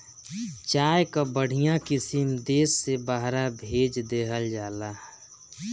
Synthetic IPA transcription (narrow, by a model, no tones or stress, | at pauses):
t͡ʃaːjkabəɽ̤ijãkɪsimd̪eːsːebaɦɾabʱeːd͡ʒd̪eːɦəld͡ʒaːla